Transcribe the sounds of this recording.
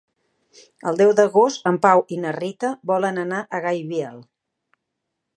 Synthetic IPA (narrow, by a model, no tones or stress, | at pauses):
əlˠd̪ɛwd̪əɣost̪əmpawinərit̪əβɔlənənaʔəɣajβiɛlˠ